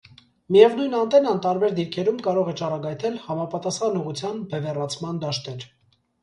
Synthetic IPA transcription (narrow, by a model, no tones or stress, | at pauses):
mijɛvnujnɑnt̪ɛnɑnt̪ɑɾbɛɾd̪iɾkʰɛɾumkɑɾɔʁɛt͡ʃɑrɑɡɑjt̪ʰɛlhɑmɑpɑt̪ɑsχɑnuʁut͡sʰjɑnbɛvɛrɑt͡sʰmɑnd̪ɑʃt̪ɛɾ